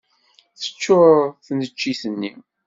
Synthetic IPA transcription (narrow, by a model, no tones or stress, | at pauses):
θə̥t͡ʃːʊθnət͡ʃːiθənːḭ